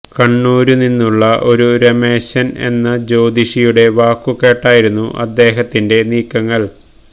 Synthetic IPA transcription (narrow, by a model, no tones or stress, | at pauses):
kɐɳːuːɾuninːuɭːɐʔo̞ɾuɾɐme̞ːɕɐne̞̰nːɐd͡ʑo̞ːd̪iʂijuɽe̞ʋaːkːuke̞ːʈːaːjiɾunːuʔɐ̰d̪ːe̞ːɦɐt̪ːinde̞niːkːɐŋːɐɭ